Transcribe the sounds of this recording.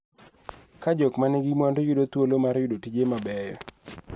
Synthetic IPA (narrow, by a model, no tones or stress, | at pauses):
kad͡ʒɔkmanɛɡɪmwandojʊdot̪wolomarjʊdotid͡ʒemabɛjɔ